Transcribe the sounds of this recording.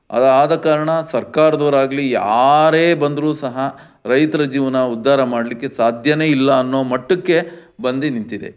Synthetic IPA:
ɐ̰d̪aːd̪ɐkaːɾɐɳɐsɐɾkaːɾɐd̪ɐːɾaːɡɐlijaːɾe̞ːbɐnd̪ɾuːsɐɦɐ | ɾɐjt̪ɐɾɐd͡ʒiːʋɐnɐud̪ʱːaːɾɐmaːɽlikːe̞saːd̪ʱjɐne̞ːilːɐːnːo̞ːmɐʈːukːe̞bɐnd̪inint̪id̪e̞̰

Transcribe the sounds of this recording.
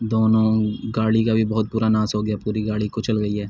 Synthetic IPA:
d̪oːnõɡaːɽikabʱibɔɦʊt̪̚puːɾanãːsɦoːɡjapuːɾiɡaːɽikot͡ʃɐlɡɐiɦɛː

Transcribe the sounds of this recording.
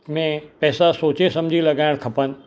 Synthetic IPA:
mẽpɛːsasoːt͡ɕesɐmd͡ʑʱilɐɡaːɪɽ̃kʰɐpənɪ̆

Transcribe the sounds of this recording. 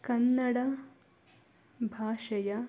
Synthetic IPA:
kɐnːɐɽɐ | bʱaːʃɐjɐ

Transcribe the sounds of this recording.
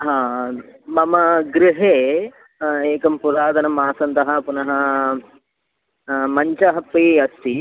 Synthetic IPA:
ɦãːmɐmɐɡɾɪɦeː | eːkɐmpuɾaːd̪ʱɐnɐmaːsɐnt̪ɐɦɐpunɐɦɐ | mɐɲt͡ʃɐɦɐpːiɐst̪i

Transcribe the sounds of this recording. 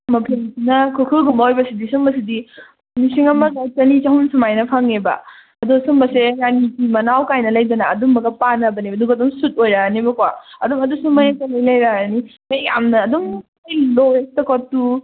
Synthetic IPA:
mɐpʰennɐkʰɯkʰɯɡumbɐojbɐsidisumbɐsidi | nisiŋɐmɐɡat͡ʃɐnit͡ʃɐhunsumajnɐpʰaŋebɐ̰ | ɐdosumbɐseɾanikimɐnawkajnɐlɐjdɐnɐːdumɐɡɐpanɐbɐnibɐduɡɐdɔmsut̚ojɾaanibɐkwaɐdɔmɐdusumajakɐnijlɐjɾaaɾnimɐjja̰mnɐːdɔŋ | ejlojtɐkotːu

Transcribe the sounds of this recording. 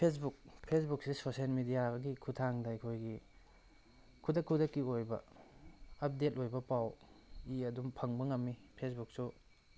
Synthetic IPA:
pʰes̬buk̚pʰesbuk̚sisosielmidijaɡɐɡikʰutʰaŋdɐɐjkʰojɡi | kʰudɐkʰːudɐkːiojbɐ̰ | ɐp̚det̚ojbɐpawiɐdumpʰɐŋbɐŋɐmːipʰesbuk̚su

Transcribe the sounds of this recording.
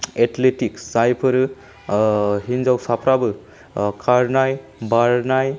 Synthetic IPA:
etletiksajpʰɯɾ | hinzawsapʰɾabɯ | kʰaɾnajbaɾnaj

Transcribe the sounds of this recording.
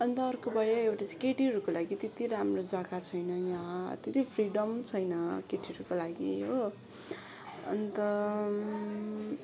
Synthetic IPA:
ʌnt̪ʌːrkobʱʌjoewʈat͡sakeʈiʌɾukolaɡit̪et̪iɾamrod͡zakat͡sʰʌjnʌjãt̪et̪ipʰriɖʌmt͡sʰʌjnʌkeʈʰiɾukolaɡiɦo | ʌ̰nt̪ʌ

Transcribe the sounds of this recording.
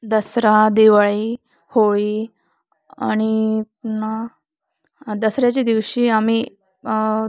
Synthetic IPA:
d̪əsɾad̪eʋaɭi | hoɭiː | a̰ɽ̃i | na | d̪əsɾjat͡ɕid̪iʋɕiːami

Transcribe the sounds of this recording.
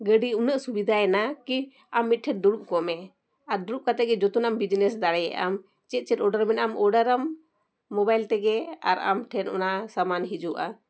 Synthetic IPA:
ɡəɖiunəʔsubid̪ʱaɛnaki | amːit̪̚ʈʰɛt̪̚ɖuɽuʔkɔmɛ | aɾɖuɾuʔ̚kat̪ɛɡɛd͡ʒɔt̪unambid͡ʒnɛsd̪aɽɛjɛ̰ʔa̰m | t͡ʃɛt̪̚ˀt͡ʃɛt̪ɔɖaɾmɛnamɔɖaɾamː | ɔbajlt̪ɛɡɛa̰ɾa̰mʈʰɛnɔ̰naʔsamanɦid͡ʒuʔa

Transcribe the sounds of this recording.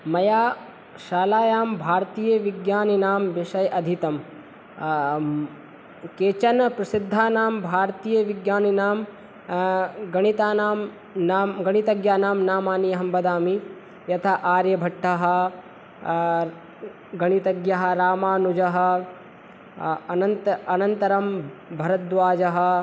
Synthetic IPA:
mɐjaː | ʃaːlaːjaːmbʱaːɾt̪iːjɐʋiɡjaːninaːmʋiʃɐjʔɐd̪ʱit̪ɐm | keːt͡ʃɐnɐpɾɐsid̪ʱːaːnaːmbʱaːɾt̪iːjɐʋiɡjaːninaːm | ɡɐɳ̃it̪aːnaːm | naːmɡɐɽ̃it̪ɐɡjaːnaːmnaːmaːnijɐɦɐmbɐd̪aːmi | jɐt̪ʰɐʔaːɾjɐbʱɐʈʰːɐɦɐ̆ | ɡɐɳit̪ɐɡjɐɦɐ̆ɾaːmaːnud͡ʒɐɦɐ̆ | ɐnɐnt̪ɐnɐnt̪ɐɾɐmbʱɐɾɐt̪ʋaːd͡ʒɐɦɐ̆

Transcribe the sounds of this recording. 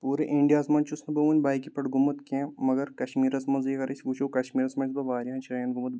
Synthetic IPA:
puːɾeʔĩɳɖijaːsmɐnʲt͡ʃusnɐbɐʋunʲbaːjkipɐʈɡumɐt̪kʲẽmɐɡɐɾkɐʃmiːɾɐsmɐnzikɐɾɐsʲɡut͡ʃʰowkɐʃmiːɾɐsmɐnʲsbɐʋaːɾʲjiɦɐnʲt͡ʃʰiɾɐjɐnɡumɐt̪̚

